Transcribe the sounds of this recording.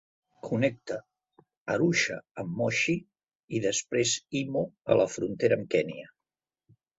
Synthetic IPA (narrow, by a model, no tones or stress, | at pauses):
kʰunɛk̚t̪ə | əɾuʃəəmːɔʃi | iðəspɾezimoə̰ləfɾunt̪eɾəmkɛniə